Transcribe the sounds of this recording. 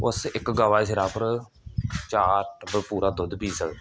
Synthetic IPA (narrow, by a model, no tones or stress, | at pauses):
ʊsɪkɡaːʋaːsɪɾaːpəɾ | t͡ʃaːɾʈbəpuːɾaːd̪ʊd̪piːsəɡ̪